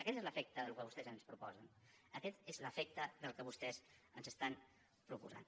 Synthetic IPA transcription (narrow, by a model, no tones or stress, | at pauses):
əkɛt̪ezləfɛk̚t̪əðəlukəβust̪ɛzənspɾupɔzənəkɛt̪ezləfɛk̚t̪əðəlˠkəβust̪ɛzənzəst̪an | pɾupuza̰n